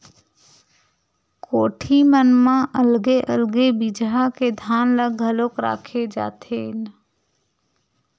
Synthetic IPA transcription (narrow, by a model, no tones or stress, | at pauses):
koːʈʰimənmãʔəlɡeʔəlɡebid͡ʒɦaked̪ʱaːnləɡʱəloːkɾa̰ːkʰed͡ʒa̰ːt̪ʰeːn